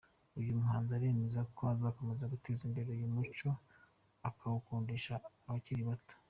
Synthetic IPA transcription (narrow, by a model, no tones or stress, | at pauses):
ujumuɦaːnzaɾe̞ːme̞zakʰoazaːko̞me̞zaɡuteːzimbe̞ɾo̞jumut͡ʃo̞ | akʰaβukuːndiʃa | βaciɾiβato̥